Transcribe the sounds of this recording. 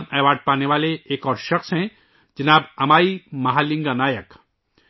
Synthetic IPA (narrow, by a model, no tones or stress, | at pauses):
nɛːʋaːɖ̚paːneʋaːleeːkɔːɾʃɐxsɦɛ̃ | d͡ʒɐnaːbɐmaːimɐɦaːlɪ̃ŋɡanaːjək